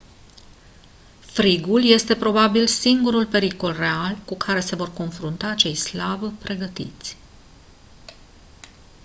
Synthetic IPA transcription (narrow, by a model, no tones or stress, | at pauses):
fɾiɡulje̞st̪e̞pɾo̞babilsiŋɡuɾulpe̞ɾiko̞lre̞alkukʰaɾe̞se̞vo̞rko̞nfɾunt̪aːt͡ʃe̞jslabpɾe̞ɡət̪ḭt̪sʲ